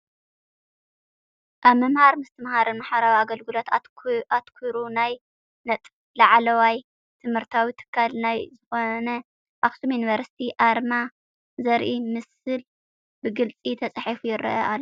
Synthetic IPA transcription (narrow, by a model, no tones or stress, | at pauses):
ʔaβmɐmhaɾmɨst̪ʰɨmhaɾɨnmaħaɾawiaɡɐlɡɨlo̞t̪aʔat̪kʰuɾunaj | nɐt̪ʼ | laʕlɐwaj | t̪ʰɨmhɨɾt̪ʰawit̪ʰɨ̥kʰːalnajzɨxonɐ | ʔaxsumjunivɐɾsi̥t̪ʰiʔaɾma | zɐɾʔimɨsɨl | bɨɡɨlt͡sʼit̪ʰɐt͡sʼħifujɪɾɐ̰ʔɐʔalː